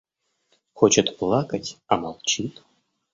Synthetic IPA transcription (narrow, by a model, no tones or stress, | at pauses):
xot͡ɕət̪plˠɑkətʲamalˠt͡ɕit̪